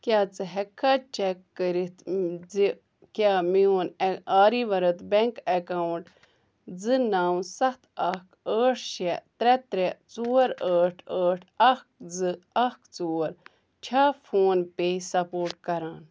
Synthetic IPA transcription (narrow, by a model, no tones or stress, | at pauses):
kʲjaːt͡sɨɦɛkʰːaːt͡ʃɛkːəɾit̪i | kʲaːmioːnaːɾiːʋɐɾɐt̪bɛŋkekawuɳʈ | d͡zɨnaːwsɐht̪ʰɐkəːʈʰʃɛt̪ɾɛt̪ɾɛt͡soːɾəːʈʰəːʈʰɐk̚d͡zɨɐkt͡soːɾ | t͡ʃʰaːfʰoːnpeːsɐpoːɾʈkɐɾaːn